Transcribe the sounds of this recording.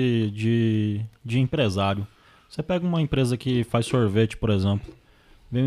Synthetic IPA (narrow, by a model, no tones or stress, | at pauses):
d͡ʒɪ | d͡ʒɪẽpɾezaɾjʊ | vosepɛɡɐũmɐẽpɾezɐkɪfajsːoɾvet͡ʃɪ̥poɾezẽplʊ | vẽj̃